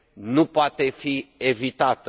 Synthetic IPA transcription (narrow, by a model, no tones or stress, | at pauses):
nupoat̪e̞fie̞vit̪at̪ə